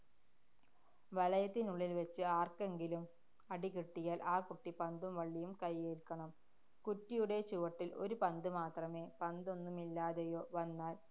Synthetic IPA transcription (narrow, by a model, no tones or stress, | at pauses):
ʋɐlɐjɐt̪ːinuɭːilʋet͡ɕːɨaːrke̞ŋɡilum | ɐɽikiʈːijaːlʔaːkuʈːipɐnd̪umʋɐɭːijumkɐjːeːlkːɐɳɐm | kutːijuɽe̞t͡ɕuʋɐʈːilo̞̰ɾupɐnd̪ɨmaːt̪rɐme̞ːpɐnd̪o̞nːumilːaːðejo̞ːʋɐnːaːl